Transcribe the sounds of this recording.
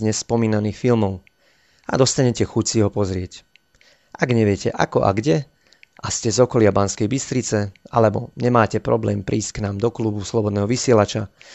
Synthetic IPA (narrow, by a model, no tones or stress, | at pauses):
ɲɛsːpɔmiːnaniːxfilmɔʊ | a̰d̪ɔst̪aɲɛcɛxucsiɦɔpɔzɾɪɛc | ʔaɡɲɛʋɪɛcɛʔa̰kɔ̰ʔa̰ɡɟɛ | ʔascɛzɔkɔlɪabanskɛjbist̪ɾit͡sɛa̰lɛbɔ̰ɲɛmaːcɛpɾɔblɛːmpɾʔiːscknaːmd̪ɔkluːbuslɔbɔd̪nɛːɦɔʋisɪɛlat͡ʃa